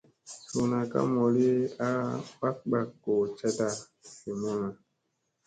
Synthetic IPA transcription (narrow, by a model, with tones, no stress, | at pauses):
so˨na˨ka̰˦mɔ˨li˦a˦ɓa˦k̚ɓa˦˨kːo˨t͡ʃɛ˦ta˦˨ | se˨mo˦na˨